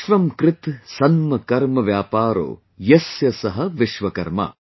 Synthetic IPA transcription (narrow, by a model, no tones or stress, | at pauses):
ʃʋɐmkɾɪt̪sɐnmɐkɐɾmɐʋjaːpaːɾo̰ː | jɐsjɐsɐɦɐʋiʃʋɐkɐɾmɐ̰